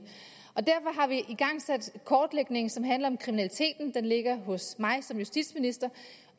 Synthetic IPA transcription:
ɒ̽d̥æɐ̰fɒ̽ɦɑ̈ʋiʔiɡ̥ɑ̈ŋ̰sæd̥kʰɒːd̥leɡ̥ne̝ŋsɒ̽mɦænlɐɒ̽mkʰʁiminælit͡sʰe̝̰ːd̥n̩d̥enle̝ɡ̥ɐɦɔ̽smɑ̈ɪsɒ̽mjusd̥id̥sminisd̥ɐ

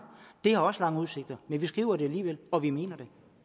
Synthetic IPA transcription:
d̥e̝hɑ̈ɒ̽səlɑ̈ŋəuðˠse̝ɡ̥̚d̥ɐmenʋisɡ̥ʁiːʊɐɾe̝æliːʋelɒ̽ʋime̝̰ːnɐd̥e̝

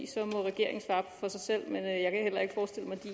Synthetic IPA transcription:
sɒ̽mɔ̽ʁɛɡ̥e̝ɐ̰e̝ŋ̩sʋɑ̈ːfɒ̽sɑ̈ɪsel̰menøjɑ̈ɪkʰæhel̰ɐe̝ɡ̥ə̥fɒːsd̥e̝ləmɑ̈d̥i

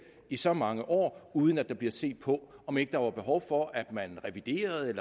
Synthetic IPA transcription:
isɒ̽mɑ̈ŋəʔɒ̰ːuːð̞ˠən̩æd̥ɑ̈b̥liɐse̝̰ːd̥̚pʰɒ̽ɒ̽me̝ɡ̥əd̥ɑ̈ʋɑ̈b̥e̝ɦɒʊfɒ̽ʔæd̥mænʁɛʋid̥e̝̰ːɐð̩ˠelɐ

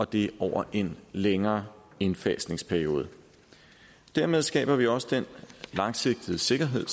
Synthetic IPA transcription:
ɒ̽d̥e̝ɒʊ̰ɐʔe̝nleŋɐː | e̝nfɛ̰ːsne̝ŋspʰæɐio̝ːð̞ˠə | d̥æɐme̝ð̞ˠsɡ̥ɛ̰ːb̥ɐʋiɒ̽səd̥enlɑ̈ŋse̝ɡ̥̚d̥ð̩ˠəse̝ɡ̥ɐɦe̝ð̞̰ˠ

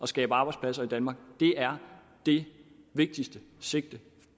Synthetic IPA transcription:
ʔɒ̽sɡ̥ɛ̰ːb̥əɑ̈ːb̥ɑ̈ɪdspʰlæsɐid̥ænmɑ̈ːɡ̥d̥e̝ʔæɐ | d̥e̝ | ʋe̝ɡ̥̚d̥isd̥əse̝ɡ̥̚d̥ə

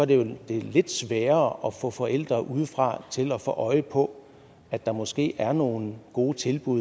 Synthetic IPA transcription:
ɒɐd̥e̝jo̝d̥e̝le̝d̥sʋɛːɐɒ̽fɔ̰̽ːfɒ̽ʔel̰d̥ʁɐʔuð̞ˠəfʁɑ̈t͡sʰe̝lɒ̽fɔ̰ːʔɒ̽ɪəpʰɒ̽ | æd̥ɑ̈mɒ̽sɡ̥e̝̰ːæɐno̝ːnɡ̥o̝ːt͡sʰe̝lb̥uð

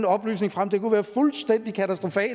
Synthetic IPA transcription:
nɒ̽b̥ly̰ːsne̝ŋfʁam̰d̥ʰe̝kuʋæːɐfulsd̥en̰d̥ikʰæt͡sʰæsd̥ʁo̝fɛ̰ː

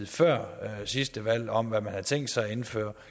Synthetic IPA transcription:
ð̩ˠfɶɐ̰sisd̥əʋæl̰ɒ̽mʋæmænhɑt͡sʰeŋ̰d̥sɑ̈ɪe̝nfø̰ːɐ

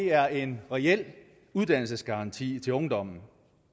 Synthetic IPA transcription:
e̝æɐe̝nʁɛel̰ | uð̞ˠd̥æn̰l̩səsɡ̥ɑ̈ʁɑ̈nt͡sʰḭːt͡sʰe̝lɔ̽ŋd̥ɒ̽m̰n̩

